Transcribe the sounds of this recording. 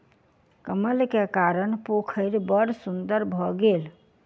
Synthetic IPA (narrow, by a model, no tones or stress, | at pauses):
kəməlkekaɾənpokʰəɪɾbəɽsund̪əɾbʱɔɡel